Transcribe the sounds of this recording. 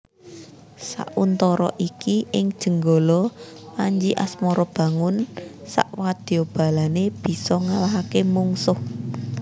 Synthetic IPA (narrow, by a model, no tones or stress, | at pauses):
sa̰ʔunt̪ɔɾɔ̰ʔikiʔɪŋd̥ʒ̥ə̤ŋɡolɔmaɲd͡ʒiʔasmɔɾɔb̥ä̤ŋʊnsa̰ʔwad̪̥i̤ob̥a̤laneb̥i̤sɔŋalaɦakemuŋsʊh